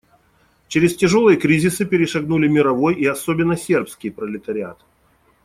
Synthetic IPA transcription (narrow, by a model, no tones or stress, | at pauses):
t͡ɕɪɾʲɪstʲɪʐo̞lˠɨjəkɾʲizʲɪsɨpʲɪɾʲɪʂɐɡnulʲɪmʲɪɾɐvo̞jiɐsobʲɪnːəsʲe̞rpskʲɪjpɾəlʲɪt̪əɾʲɪa̰t̪ɨ